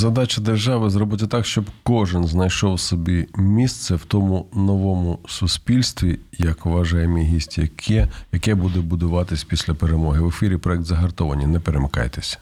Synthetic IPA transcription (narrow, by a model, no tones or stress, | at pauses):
zɐd̪ɑt͡ʃɐd̪erʒɑʋɪzrɔbʊt̪ʲɐt̪ɑkʃt͡ʃɔbkɔʒɪnznɐjʃɔwsɔbʲimʲist̪sɛwt̪ɔmʊnɔʋɔmʊsʊspʲilʲst̪ʋʲijɐkʋɐʒɑjemʲiɦisʲt̪ʲjɐkɛjɐkɛbud̪ɛbʊd̪ʊʋɑt̪ɪsʲpʲisʲlʲɐpeɾemɔɦɪʋefʲiɾʲipɾɔjɛk̚t̪zɐɦɐrt̪ɔʋɐnʲinɛpeɾemɪkɑ̰jt̪esʲɐ̥